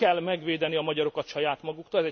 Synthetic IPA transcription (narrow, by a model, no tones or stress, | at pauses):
ɛlːmɛɡʋeːd̪ɛniɒmɒɟɒɾo̞kɒt̪ʃɒjaːt̪mɒɡukt̪olɛzɛ